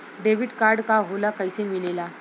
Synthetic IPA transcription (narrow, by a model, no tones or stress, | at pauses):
ɖeʋiːʈkaɾɖkaɦolakajsemilela